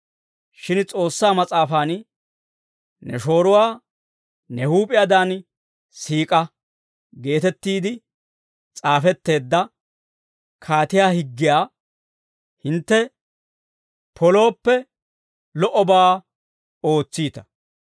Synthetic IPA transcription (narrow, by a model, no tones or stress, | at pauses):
ʃɪnt͡sʼo̞ːsːaːmɐt͡sʼaːfaːn | nɛ̰ʃo̞ːɾʊwaː | nɛhuːpʼɪjaːd̪aːn | siːkʼɐ | ɡe̞ːt̪ɛt̪ːiːd̪ɪ | t͡sʼaːfɛt̪ːe̞ːd̪ːɐ | kʰaːt̪ɪjaːhɪɡːɪjaː | hɪnt̪ːɛ | pʰɔlo̞ːpːɛ | lɔʔɔbaː | o̞ːt͡sːiːt̪ɐ̥